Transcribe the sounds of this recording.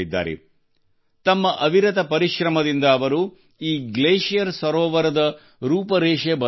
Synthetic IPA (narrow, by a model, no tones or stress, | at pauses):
id̪ːa̰ːɾḛ | t̪ɐmːɐʔɐʋiɾɐt̪ɐpɐɾiʃɾɐmɐd̪ind̪ɐːʋɐɾu | iːɡleːʃijɐɾsʋɐɾɔːʋɐɾɐd̪ɐ | ɾuːpɐɾeːʃebɐ